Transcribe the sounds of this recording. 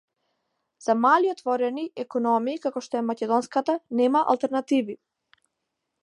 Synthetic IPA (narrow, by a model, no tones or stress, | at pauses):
z̥amaliɔt̪vɔɾɛniɛkɔnɔmiːkakɔʃt̪ɔɛmacɛd̪ɔnskat̪anɛmaʔa̰lˠt̪ɛɾnat̪ivi